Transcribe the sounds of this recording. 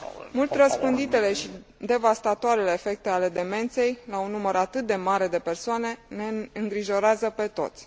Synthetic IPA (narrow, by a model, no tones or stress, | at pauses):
mult̪ʲrəspɨnd̪it̪e̞le̞ʃid̪e̞vast̪at̪oaɾele̞ːfe̞k̚t̪e̞ale̞d̪e̞me̞nt̪se̞jlaunːuməɾat̪ɨt̪̚d̪e̞maɾe̞d̪e̞pe̞rsoane̞ne̞ɨŋɡɾiʒo̞ɾeazəpe̞t̪o̞̰t̪sʲ